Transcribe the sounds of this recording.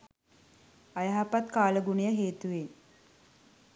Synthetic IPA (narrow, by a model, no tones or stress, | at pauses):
ajaɦapat̪kaːləɡunejəɦeːt̪uʋe